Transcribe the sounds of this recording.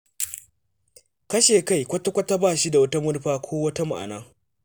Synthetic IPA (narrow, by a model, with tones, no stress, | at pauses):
kɐ˦ʃeː˨ka˦˨jkʷɐ˦tːa˦kʷɐ˦tːa˦baː˦˨ʃi˦da˨wɐ˦ta˦mʊ˦rɸaː˦kʷʰoː˦wɐ˦ta˦ma̰˨ʔa̰˨naː˦